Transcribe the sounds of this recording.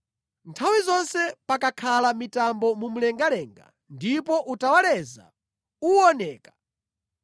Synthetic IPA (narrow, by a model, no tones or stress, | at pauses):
ntʰawizɔnsɛpakakʰalamitambɔmum̩lɛŋɡalɛːŋɡa̰ | ndipɔʔutawalɛza̰ | uɔnɛːkḁ